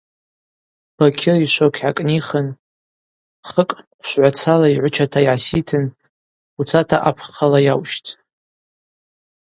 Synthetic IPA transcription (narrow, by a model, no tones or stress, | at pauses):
b̥akʲʰɪriʃʷokʲʰʕakʼniχən | χəkʼqʷʰʃʷʕʷat͡sʰalaiʕʷʊt͡ʃʰatʰaiʕasitʰɨn | ut͡sʰatʰaʔapʰqalajawʃtʰʼ